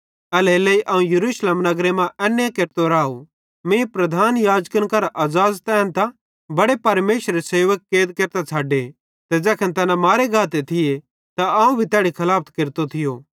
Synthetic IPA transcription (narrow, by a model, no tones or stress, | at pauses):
ɛleːleːiʔɐːũjɐɾuːʃleːmnɐɡɾemãʔɛːnːekeɾt̪oɾaːo | mẽpɾɐd̪ʱaːnjaːd͡ʒkənkɐɾʔɐːzaːzt̪ɛ̃ːnt̪ã | bɐɽepɐɾmeːʃɾeseːʋəkːeːd̪keːɾt̪at͡sʰaːɖe | t̪ɛd͡zɛːkʰə̃nt̪ɐnãmaːɾeɡʱaːt̪̬et̪ʰɪje | t̪aaːũbʱit̪ɛːɽikʰɐlaːp̚ʰt̪keɾt̪ot̪ʰɪjo